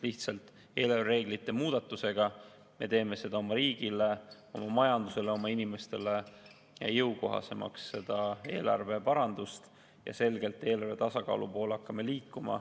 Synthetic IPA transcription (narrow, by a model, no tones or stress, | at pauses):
liht̪sɑlt̪ˑ | e̞ːlɑrvere̞ːɡ̥lit̪ːe̞muːd̪̥ɑt̪ːˑuse̞ɡ̥ɑ | me̞̰t̪e̞ːme̞se̞d̪̥ɑo̞mɑɾiːɡ̥ile̞ | o̞mɑmɑjɑnd̪use̞le̞o̞mɑinime̞st̪e̞le̞ | jɑjɤwko̞̰ɦɑ̰se̞̰mʔɑ̰ksːe̞d̪̥ɑe̞̰ːlɑ̰rve̞pɑɾɑnd̪ust̪ | jɑ̰se̞lɡ̥e̞lt̪ːˑe̞ːlɑɾrve̞t̪ɑsɑkɑ̰ːlupo̞ːlɑkːˑɑmeliːkːˑumɑ̰